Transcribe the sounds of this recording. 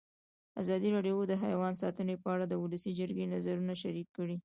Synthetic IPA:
azɑd̪iɾɑɖjod̪əɦajwɑnsɑt̪ənepəaɽad̪əwʊləsid͡ʒəɾɡenazaɾunaʃaɾikːəɽi

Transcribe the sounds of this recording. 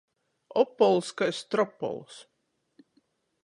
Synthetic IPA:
ɔpːɔlˠskajst̪ɾɔpːɔ̰lˠs

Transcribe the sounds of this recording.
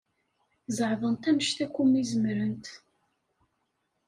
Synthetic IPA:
zəʕðənt̪æməʃt̪ækʷːumizəmɾənt̪

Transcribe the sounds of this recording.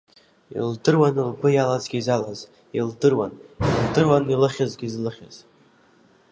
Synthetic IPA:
ḭldɨrwanɨlbʰɨjalazɡʲiizalaz | ildɨrwa̰nildɨrwanilɨχʲazɡʲizlɨχʲa̰z̥

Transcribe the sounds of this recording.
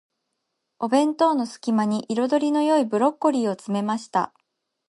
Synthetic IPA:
o̞bẽ̞nt̪o̞ːno̞sɨ̥kʲimaɲ̟iʔiɾo̞d̪o̞ɾʲino̞jo̞ibɯ̟ɾo̞kːo̞ɾʲiːo̞t͡sɨme̞maɕi̥t̪a̰

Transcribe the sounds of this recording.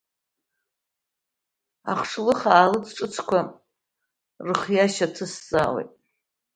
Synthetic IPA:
a̰χʂlɨχaːlɨt͡sʰʈ͡ʂʼɨt͡sʰkʷʰa | rɨχjaʃatʰɨsːa̰wḛjtʼ

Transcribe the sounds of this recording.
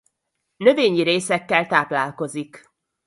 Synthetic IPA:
nø̞veːɲiɾeːsɛkːɛlt̪aːplaːlko̞zik

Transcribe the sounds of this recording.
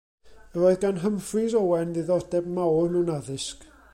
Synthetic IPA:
əɾoːɨðɡanɦəmfriðɔwɛnðiðɔdɛbmawrnuwnaðɪsk

